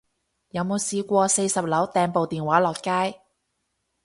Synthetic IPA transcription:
jɐ˨˧wmo˨˧wsiː˧kʷɔː˧se˧jsɐ˨p̚lɐ˨˥wt̪ɛː˨˧ŋpo˨wt̪iː˨nwaː˨˥lɔː˨kːaː˥j

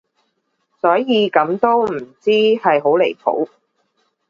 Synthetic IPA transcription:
sɔː˨˥jiː˨˧kɐ˨˥mt̪o˥wm̩˨˩t͡siː˥hɐ˨jɦo˨˥wle˨˩jpʰo̰˨˥w

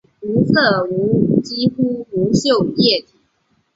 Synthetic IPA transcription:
u˧˥sɤ˥˩u˧˥t͡ɕi˥xu˥u˧˥ɕjo˥˨˩ʊjɛ˥˩t̪ʰi˩˨˩

